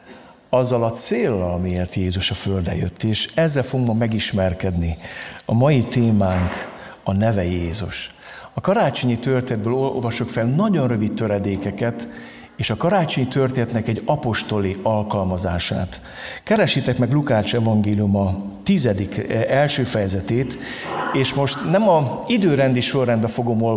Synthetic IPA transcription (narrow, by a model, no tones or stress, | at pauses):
ɒzːɒlɒt̪seːlːɒlɒmieːrt̪jeːzuʃɒføld̪ɛ̰jø̰t̪ːeːʃɛzːɛlfoɡmɒmɛɡiʃmɛrkɛd̪niɒmɒjit̪eːmaːŋk | ɒnɛvɛjeːzuʃ | ɒkɒɾaːt͡ʃoɲit̪ørt̪ed̪̚bøːlovɒʃokfɛlnɒɟo̞nrø̞vit̪̚t̪øɾɛd̪eːkɛkɛt̪ | eːʃɒkɒɾaːt͡ʃo̞ɲt̪ørt̪eːnɛt̪nɛkɛɟːɒpo̞ʃt̪o̞liɒlkɒlmɒzaːʃa̰ːt̪ | kɛɾɛʃːit̪ɛkmɛɡlukaːʃɛvɒŋɡeːlijumɒt̪izɛd̪ikɛlʃøːfɛjɛzɛt̪eːt̪ | eːʃmo̞ʃt̪nɛmɒid̪øːɾɛnd̪iʃo̞rːɛnd̪bɛfo̞ɡo̞mol